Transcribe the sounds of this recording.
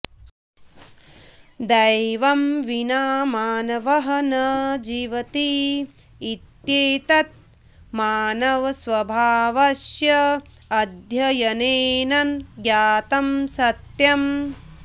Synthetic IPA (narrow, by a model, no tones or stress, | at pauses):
d̪ɐjʋɐmʋinaːmaːnɐʋɐɦɐnɐd͡ʒiːʋɐt̪i | it̪jeːt̪ɐt̪̚ | maːnɐʋɐsʋɐbʱaːʋɐʃjɐ | ɐd̪ʱjɐjɐneːnɐnɡjaːt̪ɐmsɐt̪jɐm